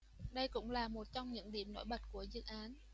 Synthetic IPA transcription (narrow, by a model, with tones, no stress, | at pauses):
ɗə˧jkʊ̰˧˥ŋ͡mlaː˨˩mo˨˩t̚t͡ɕɔ˧wŋ͡mɲɨ̰˧˥ŋɗḭ˧˩əmno̰˧˥˦jɓə˨˩t̚ku˧˩əzɨ̰˧˨ʔaː˨˦n